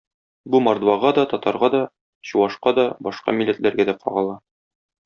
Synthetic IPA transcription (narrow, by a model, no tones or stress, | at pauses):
bumɒɾd̪vɑʁɑd̪ɒt̪ɒt̪ɑɾʁɑd̪ɒ | ɕuwɑʃqɑd̪ɒbɒʃqɑ̰milːæt̪lʔæɾɡæd̪æqɒ̰ʁɑlˠɑ